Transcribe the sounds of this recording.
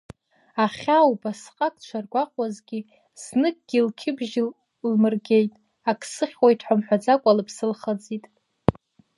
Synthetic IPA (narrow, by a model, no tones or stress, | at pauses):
aχʲawubasqʼakʼt͡ʃʷʰarɡʷaqʼwazɡʲi | z̥nɨk̚ʼɡ̥ʲilkʲʰɪbʒ | lmɨrɡʲe̞jtʼ | akʼʰsɨχʲwajtʰħʷamħʷᶣad͡zakʷʼalɨpʰsɨlχad͡zitʼ